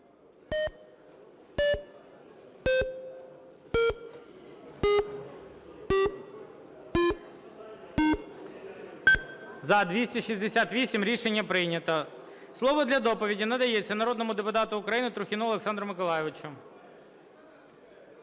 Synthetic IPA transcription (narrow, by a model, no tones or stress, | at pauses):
zɐd̪ʋʲisʲtʲiʃizʲd̪esʲat̪ʋʲisʲimɾʲiʃenʲːɐpɾɪjnʲɐt̪ɐ | slˠɔʋɔd̪lʲɐd̪ɔpɔʋʲidʲinɐd̪ɐjɛt͡sʲːɐnɐɾɔd̪nɔmʊd̪epʊt̪ɑt̪ʊʊkɾɐjinɪt̪ɾʊxʲɪnɔɔlˠeksɑnd̪ɾɔmɪkɔlˠɑjɪʋɪt͡ʃʊ